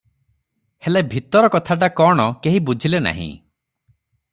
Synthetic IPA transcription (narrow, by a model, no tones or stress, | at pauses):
helabʱit̪ɔɾɔkɔt̪ʰaʈ̬akɔɽ̃ɔkeɦibud͡ʒʱilena̰ɦḭ̃